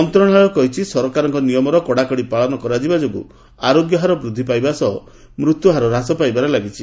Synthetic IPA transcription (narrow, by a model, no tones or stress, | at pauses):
ɔnt̪ɾɔɽ̃ɦaɭɔkɔɦit͡ʃʰisɔɾɔkaɾɔŋkɔnijɔmɔɾɔkɔɽakɔɽipaɭɔnɔkɔɾad͡ʒibad͡ʒoɡṵ | aɾoɡjɔɦaɾɔbɾud̪ʱːipajbasɔɦɔ | mɾut̪juɦaɾɔɾasɔpajbaɾɔlaɡit͡ʃʰi